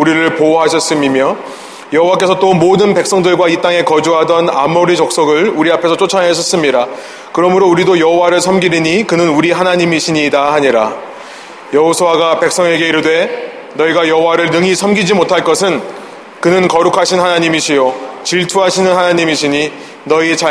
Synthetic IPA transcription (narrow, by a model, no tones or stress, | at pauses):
uɾiɾɯɭpowɦaɕʰʌs͈ɯmimjʌ | jʌɦowak͈e̞sʰʌt͈omodɯnpe̞k̚s͈ʌŋdɯɭɡwait͈aŋe̞kʌd͡ʑuɦadʌnamoɾit͡ɕok̚s͈ʌɡɯɭuɾiapʰe̞sʰʌt͡ɕ͈ʰot͡ɕʰʌnɦeɕʰʌs͈ɯmɲiɾa | kɯɾʌmɯɾouɾidojʌɦowaɾɯɭsʰʌmɡiɾiɲikɯnɯnuɾiɦanaɲimiɕʰiɲidahaɲiɾa | jʌɦosʰuwaɡape̞k̚s͈ʌŋe̞ɡe̞iɾɯdwe̞ | nʌiɡajʌɦowaɾɯɭnɯŋisʰʌmɡid͡ʑimotʰaɭk͈ʌsʰɯn | kɯnɯnkʌɾukʰaɕʰinhanaɲimiɕʰijot͡ɕiɭtʰuɦaɕʰinɯnhanaɲimiɕʰiɲi | nʌit͡ɕa